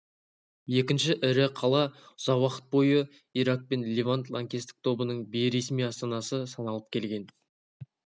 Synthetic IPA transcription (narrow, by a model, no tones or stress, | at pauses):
je̞kʲɪnʃɪʔɪɾɪqʰɑlˠɑʊzɑwɑqət̪̚bo̞jə | iɾak̚pe̞nlʲevant̪lˠaŋkʲest̪ɪ̥k̚t̪ʰo̞bənəɴbejɾe̞smijɑst̪ɑnɑsəsɑnɑlˠəp̚kʲʰe̞lɡʲe̞n